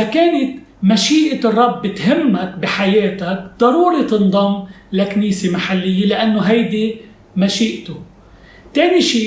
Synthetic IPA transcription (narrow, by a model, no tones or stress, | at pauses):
akeːnɪt̪ | maʃiːʔɪrˤːɑbːɪt̪ɦɪmːakbiħajeːt̪akd̪ˤɑɾuːɾit̪ɨnd̪ˤɑmːlakniːsemaħalːɪjːelɪʔanːoɦajd̪i | maʃiːʔt̪o | t̪eːniʃiː